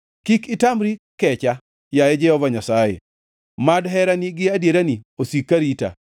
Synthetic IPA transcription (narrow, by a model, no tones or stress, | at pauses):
kikɪtamɾikɛt͡ʃa | jaɛd͡ʒɛhɔvaɲasajḛ | madɦɛɾanɪɡɪadjeɾaniosikːaɾita̰